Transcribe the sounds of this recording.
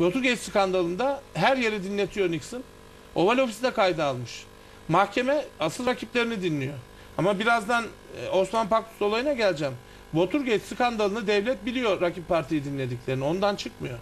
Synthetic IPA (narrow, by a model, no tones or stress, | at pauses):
vo̞t̪uɾɟʲet͡ʃsi̥kand̪alˠɯnd̪aɦæɾje̞ɾɛd̪inlːʲe̞t̪ʰijo̞niksɯn | o̞valʲo̞fisid̪ɛkajd̪ɯalˠmɯʃ | mahcʰe̞mɛasɯlˠɾacʰiplʲe̞ɾinid̪inːʲijo̞ | amabiɾazd̪an | o̞smanpaklu̥sd̪o̞lˠajɯnaɟælʲd͡ʒæm | bo̞t̪ʰuɾɟet͡ʃsikand̪alˠɯnɯd̪ɛvlʲɛt̪̚bilʲijo̞ɾacʰipʰːaɾt̪ʰijid̪inlʲe̞d̪icʲlʲe̞ɾinio̞nd̪ant͡ʃʰɯkmɯjo